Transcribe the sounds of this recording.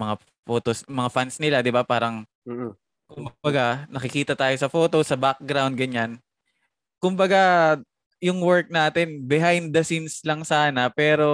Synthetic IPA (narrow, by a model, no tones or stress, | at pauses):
mɐŋa | foːt̪osmɐŋafansnɪlad̪ɪbapaːɾɐŋ̩ː | kʊmbɐɡanɐkɪkiːt̪ɐt̪aːjosɐfo̞ːt̪o̞sɐbak̚ɡɾawnd̪̚ɡɐɲan | kʊmbɐɡa | jʊŋwɛɹk̚naːt̪ɪnbɪɦajnd̪ɐsinslɐŋsaːnɐpɛːɾo̞